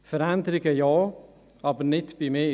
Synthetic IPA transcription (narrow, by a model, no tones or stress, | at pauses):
fəɾændəɾɪɡəjɑː | ʔɑbəɾnɪtb̥imeː